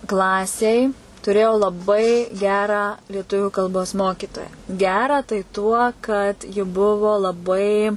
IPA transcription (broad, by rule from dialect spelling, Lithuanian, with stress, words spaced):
ˈklˠɑːsʲeːj tʊˈrʲeːjɛʊ lˠɐˈbɐɪ ˈɡʲæːrɑː lʲiɛˈtʊʋʲʊ kɐlˠˈboːs ˈmoːkʲiːtoːjæː ˈɡʲæːrɑː tɐɪ tuɔ kɐt jɪ ˈbʊʋʊ lˠɐˈbɐɪ